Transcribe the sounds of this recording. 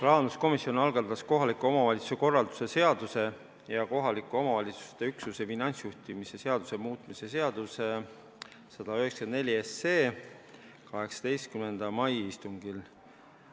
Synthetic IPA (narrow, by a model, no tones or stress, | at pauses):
plɑːɑnd̪usko̞misio̞nɑlɡ̥ɑt̪ːɑsko̞ɦɑlikːˑuo̞mɑvɑlʲit̪su̥se̞ko̞rːɑld̪̥u̥se̞se̞ɑd̪̥use̞ | jɑko̞ɦɑlikːˑuo̞mɑvɑlʲit̪su̥st̪e̞yksuse̞finɑnʲt̪sjuht̪imise̞se̞ɑd̪̥use̞muːt̪ˑmise̞se̞ɑd̪̥use | sɑd̪̥ɑyɦekskenne̞lʲiese̞ː | kɑɦe̞ksɑ̥d̪̥ejst̪̚kymend̪̥ɑmɑjist̪uŋɡ̥il